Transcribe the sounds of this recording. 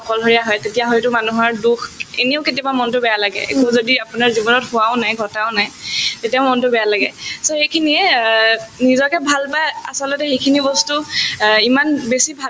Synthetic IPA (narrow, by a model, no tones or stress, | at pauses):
ɔkɔlɦoɹijaɦɔjtetijaɦɔjtʊmanuɦaɹdukʰḛneʊketijɔbamɔntʊbɛjalaɡɛ̰ḛkuzodiapʊnaɹzibɔnɔthʊaʊnajɡʱɔtaʊnajtetijamɔntʊbɛjalaɡɛ̰soxejkʰiniɛ | nizɔkɛbʱalpaja̰sɔlɔtɛxejkʰinibɔstuimanbesibʱal